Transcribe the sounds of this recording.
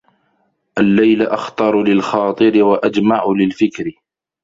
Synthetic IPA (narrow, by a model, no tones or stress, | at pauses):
ʔalːajlaʔaxt̪ˤɑɾˤlɪlxɑːt̪ˤɨɾɪwaʔad͡ʒmaʕʊlɪlfɪkɾɪ